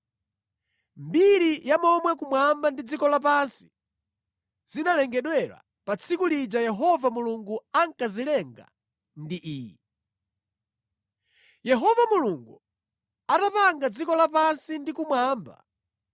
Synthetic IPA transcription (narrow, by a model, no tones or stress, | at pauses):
mbiɾijamɔmwɛkumwambandid͡zikɔlapansi̥ | z̥inalɛŋɡɛɗwɛɾa̰ | pat͡sʰikulid͡ʒajɛɦɔvamuluŋɡuaŋkazilɛŋɡa̰ | ndiʔiːji | jɛɦɔvamuluŋɡu | atapaŋɡad͡zikɔlapansindikumwaːmba̰